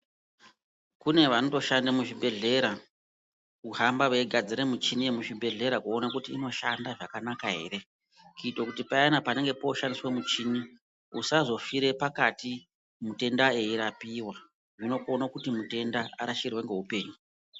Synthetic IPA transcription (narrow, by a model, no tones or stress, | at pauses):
kune̞ʋano̞to̞ʃandamuʐibʱe̞ɮe̞ɾa | uɦambaʋeɡʱad͡ziɾemut͡ʃiniemuʐibʱe̞ɮe̞ɾakuo̞nakutiːno̞ʃandaʐakanakaɦe̞̰ːre̞ | kuitwokutipaanapane̞ŋɡe̞poʃandiswemut͡ʃini | usazo̞fiɾe̞pakati | mute̞ndae̞iɾapiwa | ʐino̞konakutimute̞ndaaɾaʃirweŋɡeɦupe̞ːɲu